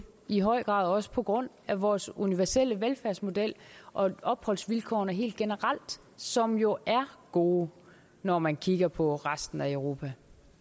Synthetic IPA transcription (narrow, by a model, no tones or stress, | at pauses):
iɦɒ̽ɪ̰ɡ̥ʁɑ̈ːðˠɒ̽sə̥pʰɒ̽ɡ̥ʁɔ̽n̰ | æʋɒːsuniʋæɐsel̰əʋelfæɐsmo̝d̥el̰ʔɒ̽ɒ̽b̥hɒ̽l̰sʋilkʰɒ̰ːnæɦe̝̰ːld̥ɡ̥e̝nəʁɑl̰d̥ | sɒ̽mjo̝ʔæɐɡ̥o̝ː | nɒmænkʰiɡ̥ɐpʰɒ̽ʁasd̥n̩æəʊʁo̝ːpʰæ